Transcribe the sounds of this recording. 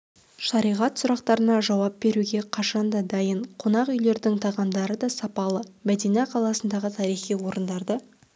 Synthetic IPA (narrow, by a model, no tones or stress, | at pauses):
ʃɑɾijʁɑt̪sʊɾɑqt̪ɑɾənɑʒɑwɑp̚be̞ɾuɡʲe̞qʰɑʃɑnd̪ɑd̪ɑjəɴqʰo̞nɑqʏjle̞ɾd̪ɪŋt̪ʰɑʁɑmd̪ɑɾəd̪ɑsɑpɑlˠəmæd̪e̞nɑqʰɑlˠɑsənd̪ɑʁət̪ʰɑɾijχijwo̞ɾənd̪ɑɾd̪ə